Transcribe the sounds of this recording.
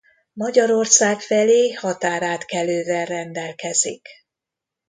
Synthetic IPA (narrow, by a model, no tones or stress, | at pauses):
mɒɟɒɾo̞rsaːkfɛleːhɒt̪aːɾaːt̪kɛløːvɛlrɛnd̪ɛlkɛzḭk